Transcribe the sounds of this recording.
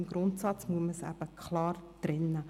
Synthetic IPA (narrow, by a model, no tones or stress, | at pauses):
mɡɾʊntsɑt͡smuəməsæ̰b̥əkʰχlɑːrd̥rɪnːə